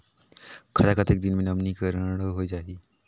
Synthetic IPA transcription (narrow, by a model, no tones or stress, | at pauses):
kʰɐd̪akʰət̪eːk̚d̪inmẽnɐmnikəɾəɽɦoid͡ʒaːiː